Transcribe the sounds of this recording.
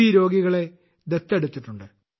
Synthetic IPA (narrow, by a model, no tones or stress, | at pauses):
iɾo̞ːɡiɣɐɭe̞ | d̪et̪ːeɽut̪ːiʈːuɳɖɨ